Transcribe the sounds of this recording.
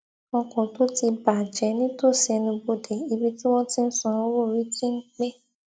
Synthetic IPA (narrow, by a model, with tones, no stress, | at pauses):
ɔ˧kɔ̃˨to˦ti˧ba˨d͡ʒɛ˨˦nĩ˦to˦˨sɛ˧nĩ˧bo˧de˨i˧bi˦tĩ˦wɔ̃˦ti˧n̩˦sɔ̃˧o˦wo˦˨ɾi˨˦tĩ˦ŋ̩˦k͡pe˦